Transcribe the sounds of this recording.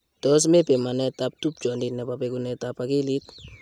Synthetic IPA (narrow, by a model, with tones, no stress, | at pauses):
tɔ˦s̬me˦pe˨ma˨nɛ˦ta˧p̚tu˦p̚d͡ʒɔ˨ndi˨nɛ˨pa˨pɛ˦ku˦nɛ˨ta˨pa˨ki˦li˦t